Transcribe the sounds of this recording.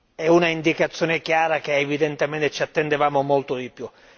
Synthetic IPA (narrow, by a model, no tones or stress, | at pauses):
ɛunaind̪ikat̪sːjoːnekjaːɾak̟eːvid̪ent̪emɛnt̪et͡ʃiat̪ːend̪evaːmomolt̪od̪ipju